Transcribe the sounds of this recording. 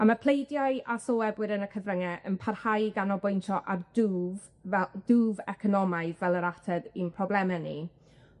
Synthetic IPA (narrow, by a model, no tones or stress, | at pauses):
amapʰl̥ˠejdjajasoːɛbwɪɾənəkʰəvrəŋɛʔənpʰarhajɡanɔbojntʰɔʔarduv | duːvɛkʰɔnɔmajðvɛlˠəɾatʰɛdinpʰrɔblˠɛmɛnḭ